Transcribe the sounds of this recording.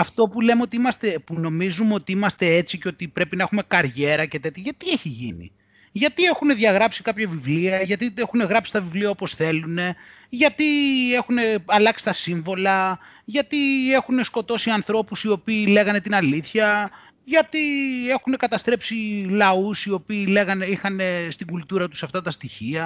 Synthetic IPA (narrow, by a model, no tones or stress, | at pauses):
ɐft̪o̞pule̞meo̞t̪iimɐst̪e̞puno̞mizumeo̞t̪iimɐst̪e̞et͡siceo̞t̪ipɾe̞pinɐexume̞kɐɾʝe̞ɾɐce̞t̪et̪çeʝɐt̪ieçiʝḭnḭ | ʝɐt̪ie̞xune̞ðʝɐɣɾɐpsikɐpçɐvivliɐʝɐt̪iexune̞ɣɾɐpsi̥st̪ɐvivliɐopo̞sθe̞lune̞ | ʝɐt̪ie̞xune̞ɐlɐksi̥t̪ɐsiɱvo̞lɐ | ʝɐt̪ie̞xune̞sko̞t̪o̞siɐnθɾo̞pusio̞piːle̞ɣɐne̞t̪inɐliθçɐ | ʝɐt̪ie̞xune̞kɐt̪ɐst̪ɾe̞psilɐusio̞piːle̞ɣɐne̞ixɐne̞st̪iŋɡult̪uɾɐt̪u̥sɐft̪ɐt̪ɐst̪içiɐ